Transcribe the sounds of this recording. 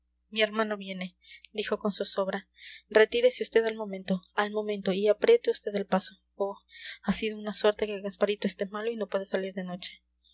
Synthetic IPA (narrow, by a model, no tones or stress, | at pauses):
mie̞ɾmãno̞βje̞ne̞ | d̪ixo̞ko̞nsuso̞βɾare̞t̪iɾe̞seust̪eðalmo̞mẽnt̪o̞almo̞mẽ̞nt̪o̞iapɾe̞t̪eust̪e̞ðe̞lpaso̞ | oasiðo̞unaswe̞ɾt̪e̞ke̞ɣaspaɾit̪oest̪e̞malo̞ino̞pwe̞ðesaliɾðe̞no̞t͡ʃe̥